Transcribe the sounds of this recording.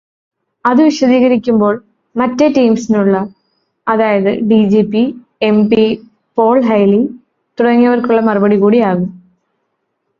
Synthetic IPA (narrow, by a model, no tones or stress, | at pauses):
ɐðɨʋiʂɐðiːɣɐɾikʲːumbo̞ːɭ | mɐtːetːijmsinuɭːɐ | ɐðaːjɐðɨ̰ɖid͡ʑipi | embi | po̞ːɭɦɐjli | t̪uɽɐŋːiɐʋɐrkuɭːɐmɐrubɐɽikuːɽiaːɣum